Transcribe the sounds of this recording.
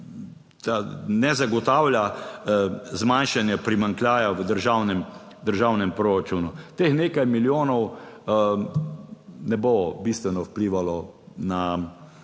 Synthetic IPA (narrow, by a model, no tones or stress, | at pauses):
t̪anɛzaɡɔt̪aːwlʲja | zmanʃanjapɾimaŋklʲjaːjaʋəd̪əɾʒaːwnɛm | d̪əɾʒaːwnɛmpɾoːɾat͡ʃunut̪eːxneːkajmiljoːnɔw | nɛbobist̪ʋɛnɔwpliʋalɔ | na